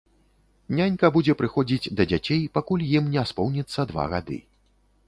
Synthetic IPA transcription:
nʲanʲkɐbud͡zʲɛpɾɨxɔd͡zʲid͡zʲd̪ɐd͡zʲat͡sʲejpakulʲjimnʲɛaspɔwnʲit̪sːɐd̪va̰ɣa̰d̪ɨ̰

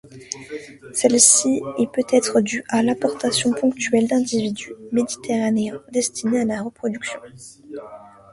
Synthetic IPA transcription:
sɛlsiɛpøt̪ɛt̪χəd̪yʔalãpɔʁt̪asjɔ̃pɔ̃kt̪ɥɛld̪ɛ̃d̪ivid̪ymed̪it̪eʁaneɛ̃d̪ɛst̪ʰinealaʁəpχɔd̪yksjɔ̃

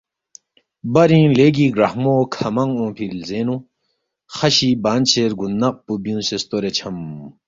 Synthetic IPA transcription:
bɐɾĩːleːɡiːɡɾɐhmoːkʰɐmɐŋõːpʰilzenũ | xɐɕibaːnt͡ɕʰeːɾɡunːɐq̚pubjũːsest̪oɾet͡ɕʰɐm

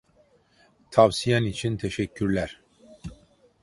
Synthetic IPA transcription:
t̪ʰavsijanit͡ʃʰint̪ʰɛʃɛcʰːyɾlʲæɾ̥

